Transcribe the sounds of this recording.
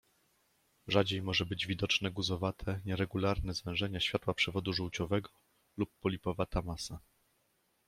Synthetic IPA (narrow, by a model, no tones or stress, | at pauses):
ʐad͡ʑejmɔʐɛbɘd͡ʑvʲid̪ɔt͡ʂnɛɡuzɔvat̪ʰɛɲɛɾɛɡulaɾnɛzvɛ̃w̃ʐɛɲaɕfʲjat̪wapʂɛvɔd̪uʐuwt͡ɕɔvɛɡɔ | lupːɔlʲipɔvat̪amasa